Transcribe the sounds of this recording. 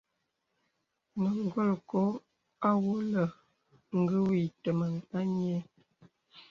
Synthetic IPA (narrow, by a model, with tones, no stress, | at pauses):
mə˨ŋ˦˨ɡɔ˦lkɔ˦ | a˦wo˦lə˨ | ŋ̩˦ɡə˦wi˨tə˨mə˨ŋa˦ɲ˦e˦